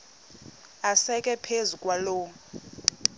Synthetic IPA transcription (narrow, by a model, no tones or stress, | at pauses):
asɛkʼɛpʰezukʼwaloː